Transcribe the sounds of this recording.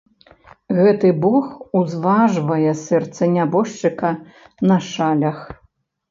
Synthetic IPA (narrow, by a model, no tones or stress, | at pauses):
ɣɛt̪ɨbɔxuzvaʐvɐjɛsɛrt̪sɐnʲabɔʂt͡ʂɨkɐ | nɐʂalʲɐx